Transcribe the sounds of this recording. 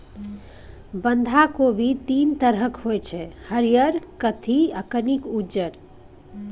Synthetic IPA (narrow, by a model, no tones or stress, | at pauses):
bənd̪ʱakobʱit̪int̪əɾəkɦojt͡ʃʰɛhəɾijəɾkət̪ʰiəkənikud͡ʒəɾ